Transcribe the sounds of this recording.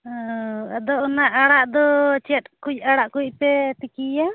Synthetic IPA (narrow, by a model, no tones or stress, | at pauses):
ɔa̰d̪ɔʔnaʔaɽaʔd̪ɔt͡ʃɛt̪̚ˀkuc̚ˀaɽaʔkuc̚ˀpɛt̪ikija